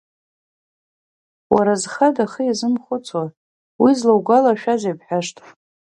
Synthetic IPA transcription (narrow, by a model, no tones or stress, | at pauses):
waɾazχadaχəjazɨmχʷʊt͡sʰa | wizlawɡʷalaʃᶣazapħaʂtʰʼf